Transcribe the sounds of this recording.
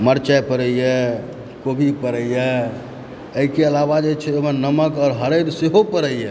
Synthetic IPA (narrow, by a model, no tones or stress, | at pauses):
məɾt͡ʃapəɾəiɛ | kobʱipəɾəjjɛ | əikeəlabad͡ʒet͡ʃʰɛebənnəməkɔːɾɦəɾəd̪seɦopəɾəijɛ